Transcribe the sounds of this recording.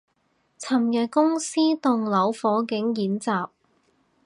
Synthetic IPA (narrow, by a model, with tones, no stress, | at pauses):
t͡sʰɐ˨˩mjœ˨t̚kʊ˥ŋsiː˥t̪ʊ˨ŋlɐ˨˥wfɔː˨˥kɪ˨˥ŋjiː˨˥nt͡saː˨p̚